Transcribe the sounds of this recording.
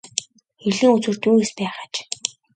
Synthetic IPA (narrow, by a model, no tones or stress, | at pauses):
xeɮɘ̆ŋut͡swɘ̆r̥t̪uːespæːχḁt͡ɕ